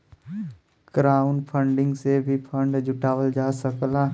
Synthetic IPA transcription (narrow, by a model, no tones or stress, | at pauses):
ɡ̥ɾaːʊnpʰəɳɖɪ̃ŋɡsebʱipʰə̃ɳɖd͡ʒʊʈaːʋəld͡ʒaːsəklaː